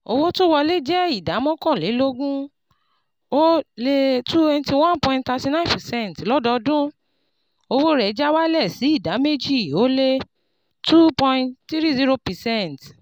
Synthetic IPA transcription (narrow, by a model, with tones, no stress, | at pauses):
o˧wo˦to˦wɔ˧le˦d͡ʒɛ˦i˦˨da˨˦mɔ̃˦kɔ̃˦˨le˨˦lo˦ɡũ˦ | o˦le˦tu˦e˧n˧ti˧w̃ã˦npɔ̃˧ĩntta˧ti˧nã˦ĩ˦˨pɛ˨sɛ̃˦˨n˨tlɔ˦dɔ˧dũ˦ | o˧wo˦ɾɛ˨˦d͡ʒa˦wa˦lɛ˦˨si˨˦i˦˨da˨˦me˦d͡ʒi˦˨o˦le˦ | tu˦pɔ̃˧ĩtti˦ɾi˦zi˦ɾo˧pɛ˨sɛ˦nt